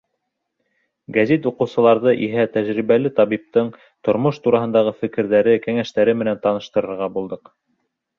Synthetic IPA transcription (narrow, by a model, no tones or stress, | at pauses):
ɡæzit̪uqɤ̆wsɤ̆lˠɑɾðɤʔiɦæt̪æʒɾiβæl̪ɘt̪ɑβip̚t̪ɤɴ | t̪ŏɾmoʃt̪uɾɑɦɤ̆nd̪ɑʁɤfɘ̆kɘ̆ɾðæɾɘkæŋæʃt̪æɾɘmɘ̆nænt̪ɑnɤ̆ʃt̪ɤ̆ɾɤ̆ɾʁɑbulˠd̪ɤq